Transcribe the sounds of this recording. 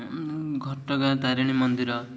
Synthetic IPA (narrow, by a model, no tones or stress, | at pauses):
ɡʱɔʈɔɡat̪aɾiɽ̃imɔnd̪iɾɔ